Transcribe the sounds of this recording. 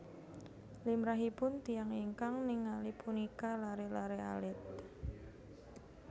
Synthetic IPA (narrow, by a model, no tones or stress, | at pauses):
limɾaɦipʊnt̪ijaŋiŋkaŋnɪŋːalipunikalaɾelaɾea̰lɪt̪̚